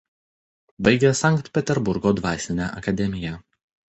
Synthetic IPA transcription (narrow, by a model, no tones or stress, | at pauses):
bɐɪɡʲɛsɑˑŋkt̪pʲɛt̪ʲɛɾbʊɾɡoːd̪ʋɑːsʲɪnʲæʔɐkɐd̪ʲɛmʲɪjɛˑ